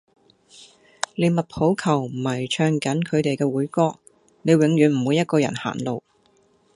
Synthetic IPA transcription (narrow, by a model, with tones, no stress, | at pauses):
le˨˧jmɐ˨t̚pʰo˨˥wkʰɐ˨˩wm̩˨˩hɐ˨˩jt͡ʃʰœː˧ŋkɐ˨˥nkʰɵ˨˧ɥt̪e˨jkɛː˧wuː˨˥jkɔː˥k̚ | ne˨˧jwɪ˨˥ŋɥyː˨˥nm̩˨˩wuː˨˧jɐ˥t̚kɔː˧jɐ̰˨˩nha̰ː˨˩nlo˨˧w